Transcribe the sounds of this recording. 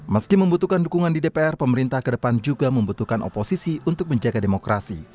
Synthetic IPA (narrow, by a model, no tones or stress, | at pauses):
məskiməmbut̪ukandukuŋandidepeɛrpəməɾint̪ahkədəpand͡ʒuɡaməmbut̪uhkano̰posisiunt̪ʊk̚məɲd͡ʒaɡademokɾasḭ